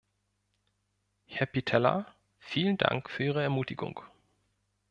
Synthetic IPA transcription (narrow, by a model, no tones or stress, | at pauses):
hɛɐpitʰɛla̰ | fiːlənda̰ŋkfyːɐʔiːʁəɛɐmuːtɪɡʊ̰ŋ